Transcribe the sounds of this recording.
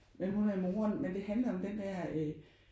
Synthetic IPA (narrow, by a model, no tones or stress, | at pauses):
menhunæɐimo̝ːɐnmend̥e̝ɦænlɐɒ̽md̥end̥æɐ̰ø